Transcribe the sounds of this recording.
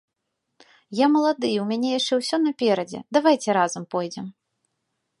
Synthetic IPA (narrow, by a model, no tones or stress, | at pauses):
jamɐlˠad̪ɨjɛwmʲanʲɛjaʂt͡ʂɛwsʲɔnɐpʲɛɾɐd͡zʲɛ̰d̪avajt͡sʲɛɾazɐmpɔjd͡zʲɛm